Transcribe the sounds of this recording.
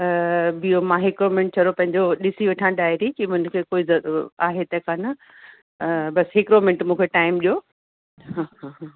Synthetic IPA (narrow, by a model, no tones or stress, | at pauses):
bijomãːɦɪkɾoːmɪ̃ɳʈ̚t͡ɕʰɐɾopɐ̃ɦɪ̃ɲd͡ʑoɗɪsiʋeʈʰãɖaːjɾikimʊɪnkʰeːkoːizɐaːɦet̪ɐkʰaːnɐ | bɐsɦɪkɾoːmɪ̃ɳʈmũːkʰeʈaːɪmɗijo | ɦãːɦãɦ